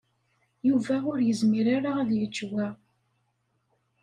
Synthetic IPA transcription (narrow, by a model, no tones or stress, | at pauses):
juvæʊɾjəzmiɾaɾaæðjət͡ʃːwæ